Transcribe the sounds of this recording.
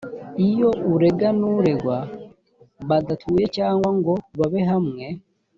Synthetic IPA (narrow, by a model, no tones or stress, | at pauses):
ijo̞ʔuɾe̞ɡanuɾe̞ɡwa | βaɡatʰuːje̞caːŋɡwaŋɡo̞βaβeɦamŋe̞